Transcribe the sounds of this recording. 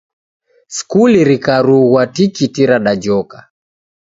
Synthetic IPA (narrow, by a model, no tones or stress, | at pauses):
skuliɾikaɾuɣwatikitiɾaɗad͡ʒɔka